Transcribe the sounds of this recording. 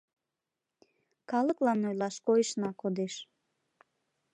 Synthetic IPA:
kɑləklɑnojlɑʃkoəʃnɑkod̪eʃ

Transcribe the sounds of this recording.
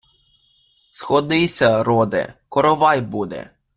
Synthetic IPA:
sxɔd̪ɪsʲaɾɔd̪ɛ̰kɔɾɔʋajbud̪ɛ̰

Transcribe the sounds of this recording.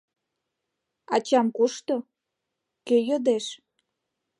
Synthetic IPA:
ɑ̰t͡ɕɑmkoʃt̪o | køjod̪eʃ

